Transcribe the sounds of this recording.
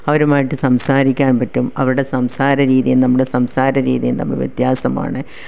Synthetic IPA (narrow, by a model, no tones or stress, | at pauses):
ɐʋɐɾumaːjiʈːɨsɐmsaːɾikʲːaːnpɐtːumɐʋɾuɽe̞sɐmsaːɾɐɾiːðijumnɐmːuɽe̞sɐmsaːɾɐɾḭːðijumnɐ̰mːɐ̰ʋjet̪jaːsɐma̰ːɳɨ